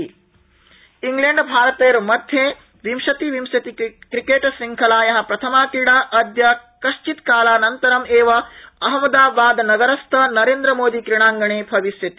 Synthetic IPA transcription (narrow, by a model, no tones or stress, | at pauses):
iŋɡleɳɖbʱaːɾɐt̪eːɐɾmɐd̪ʱjeː | ʋimʃɐt̪iʋimsjɐt̪ikɾikeːʈsɾiŋkʰɐlaːjɐɦɐ̆pɾɐt̪ʰɐmaːk̪iɽaːʔɐd̪jɐkɐʃt͡ʃit̪kaːlaːnɐnt̪ɐɾɐmeːʋɐɐɦɐmɐd̪aːbaːd̪nɐɡɐɾɐst̪ʰɐnɐɾeːnd̪ɾɐmoːd̪ikɾiɳaːŋɡɐɳeːbʱɐʋiʃjɐt̪i